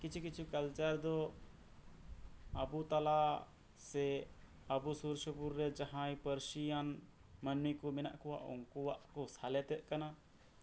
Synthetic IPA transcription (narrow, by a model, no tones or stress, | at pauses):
kit͡ʃʰukit͡ʃʰukəlt͡ʃəɾd̪ɔ | əbut̪ala | sɛ | əbusuɾsəpuɾːɛd͡ʒaɦãj̃pəɾsijan | mənmikɔmɛnaʔkɔwa̰ʔɔ̰ŋkuwaʔkɔsalɛt̪ɛt̪̚kana